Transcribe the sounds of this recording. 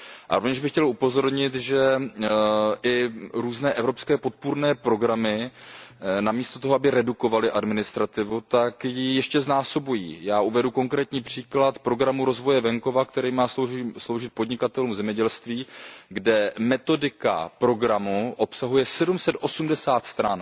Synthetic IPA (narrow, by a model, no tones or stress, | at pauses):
ʔa̰ɾovɲɛʒbɪxcɛlupo̞zo̞ɾɲɪt̪ʒɛ | ʔɪɾuːznɛːʔɛvɾo̞pskɛːpo̞t̪̚puɾnɛːpɾo̞ɡɾamɪ | namiːst̪o̞t̪o̞ɦoabɪɾɛduko̞valɪʔadmɪnɪst̪ɾat̪ɪvut̪akjijɛʃcɛznaːso̞bujḭːjaːʔuvɛdukoŋkɾɛːt̪ɲiːpr̝̥iːklat̪pɾo̞ɡɾamuɾo̞zvo̞jɛvɛŋko̞vakt̪ɛɾiːmaːsslo̞wʒɪt̪̚po̞dɲɪkat̪ɛluːmzɛmɲɛɟɛlst̪viːɡdɛmɛt̪o̞dɪka̰pɾo̞ɡɾamuʔo̞psaɦujɛsɛdumsɛt̪ʔo̞sumdɛsaːt̪st̪ɾan